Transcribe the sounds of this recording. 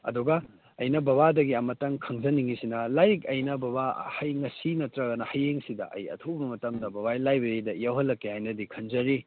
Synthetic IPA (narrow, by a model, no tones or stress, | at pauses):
ɐ̰duɡɐː | jnɐbɐβadɐɡiɐmɐtɐŋkʰɐŋzɐniŋisinɐlajkɐjnɐbɐβahɐjŋɐsinɐtɾɐɡɐnɐhɐjeŋsidɐ̰ʔɐ̰jɐ̰tʰobɐmɐtɐmdɐbɐβajlajbeɾidɐjawɦɐlːɐkːehajnɐdikʰɐnzɐɾi